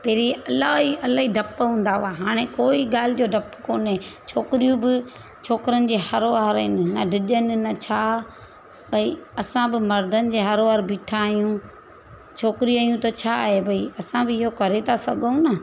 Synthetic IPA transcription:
pɐːɾiɐlaːɦiɐlaːɦiɖʱɐpɦũːn̆d̪aʋaɦaːɽ̃ẽkoːiɠaːl̤ɪd͡ʑoːɖʱɐpkoːnɦet͡ɕʰoːkɪɾijũbɪ | t͡ɕʰoːkɪɾənɪ̆d͡ʑeːhɐɾoʋaɾɪnɪnɐɖʱɪʄənɪ̆nɐt͡ɕʰaː | bʱɐiɐsãbɪmɐɾd̪ʱənɪ̆d͡ʑeːɦɐɾoʋaɾbiːʈʰaːijũ | t͡ɕʰoːkɪɾijaːjũt̪ɐt͡ɕʰaːɦebʱɐiɐsãbɪɪɦokɐɾet̪ʰasɐɡũnɐ

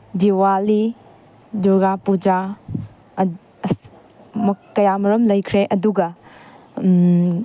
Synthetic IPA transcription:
diwali | duɡapud͡ʒa | mɐkɐjamɐɾɐmlɐjkʰɾeʔɐduɡɐ

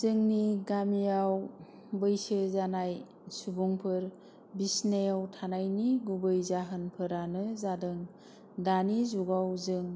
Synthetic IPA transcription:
zɯŋniɡamijaw | bɯjsezanaj | subuŋpʰɯɾ | bisnejawtʰanajniɡubɯjzaɦɯnpʰɯɾanɯzadɯŋ | danizuɡawzɯŋ

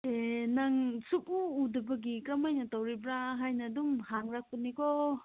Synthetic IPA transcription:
enaŋsuk̚uːdɯbaɡikɾamajnat̪awɾibɾaɦajnadumhaŋɾak̚punːikɔ

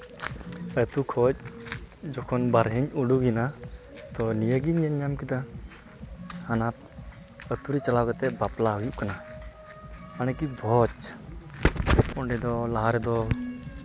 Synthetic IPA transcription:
ət̪ukʰɔt͡ʃ̚ | d͡ʒɔkʰɔnbaɾɦɛɲuɖuɡina | t̪ɔnijəɡiɲəɲːamkid̪a | hanap | ət̪uɾit͡ʃalawɡɛt̪ɛbaplaɦujuʔkana | manɛkibʱɔt͡ʃ | ɔɳɖɛd̪ɔlaɦaɾɛd̪ɔ

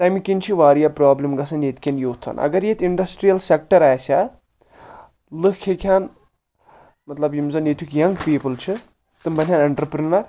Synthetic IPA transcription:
t̪ɐmikint͡ʃʰiʋaːɾijapɾaːblimɡɐsʰɐnjet̪kʰʲenjoːt̪ʰɐ̰nʔɐ̰ɡɐɾjet̪iɳɖɐsʈɾijɐlsek̚ʈɐɾaːsʲa | lɨkkʰːekʰʲaːn | mɐt̪lɐbjimzɐnjet̪ʰwukjɐŋɡpiːpɨlt͡ʃʰɨ | t̪ɨmbɐnʲɦʲjaːnɐɳʈɾɐpɾinɐɾ

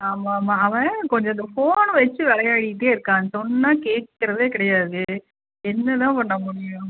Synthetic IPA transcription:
aːmaːmaːɐʋɐ̃kɔɲd͡ʒɐɐnd̪ɐfoːnʋɛt͡ʃːɯʋɛɭɐjaːɽɪʈ̬ːeːɪɾɯkːãːnsɔnːaːkeːʈ̚kɪɾɐðeːkɪɽɐjaːðɯ | ɛnːɐt̪ãːpɐɳːɐmʊɽɪjʊ̃

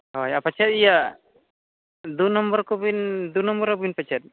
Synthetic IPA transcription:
hɔjapat͡ʃʰɛt̪ija | d̪unɔmbɔɾkɔbind̪unɔmbɔɾkɔbinpat͡ʃʰɛt̪̚

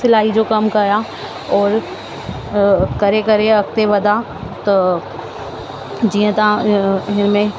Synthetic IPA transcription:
sɪlaːɦid͡ʒokɐmkɐɾa | ɔːɾ | kɐɾekɐɾeɐk̚t̪eʋɐd̪a | t̪o | d͡ʒiːə̃t̪ãɦɪnmẽ

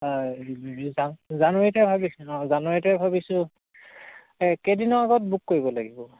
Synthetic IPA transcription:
a | zanzanuetabʱabisʊɔ̃zanuetabʱabisʊ̃ | ɛkedinɔaɡɔt̚bukːoɹibɔlaɡibɔ

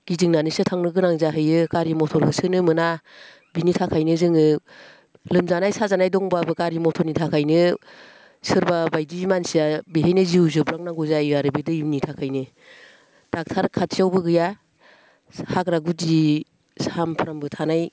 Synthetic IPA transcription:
ɡ̥iziŋnanisɯtʰaŋnɯɡɯnaŋzaɦɯjɯkaɾimɔtʰɔɾkʰɯsɯnɯmɯna | binitʰakʰajnɯzɯŋɯ | lɯmzanajsazanajdɔŋbabɯkaɾimɔtʰɔɾnitʰakʰajnɯ | sɯɾbabajdimansijabeɦejnɯziuzɯbɾak̚naŋɡuzajiaɾɯbedɯimnitʰakʰajnɯ | d̥ak̚tʰaɾkʰatʰijawbɯɡɯja | hakɾaɡudi | sampʰɾambɯtʰanaj

